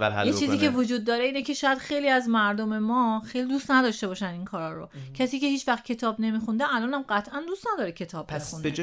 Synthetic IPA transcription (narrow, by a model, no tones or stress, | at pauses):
æjet͡ʃʰiːzziːkʰevod͡ʒuːd̪̚ːɒːɾeiːnecʰe̞ʃɒːjæd̪xe̞jliːæzmæɾd̪ome̞mɒːxejlid̪uːst̪næd̪ɒːʃt̪e̞bɒːʃæninkʰɒːɾɒːɾocʰæsiːce̞hiːt͡ʃvæxt̪̚cʰe̞t̪ʰɒːbne̞miːxund̪eælɒːnæmɢæt̪ʰʔænd̪ust̪næd̪ɒːɾecʰe̞t̪ʰɒːbmexunde